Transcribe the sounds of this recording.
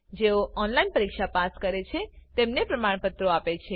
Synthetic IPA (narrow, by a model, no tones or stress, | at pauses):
d͡ʒeoʔɔnlainpəɾikʃapaskəɾet͡ʃʰet̪emnepɾəmaɳpət̪ːɾoapet͡ʃʰe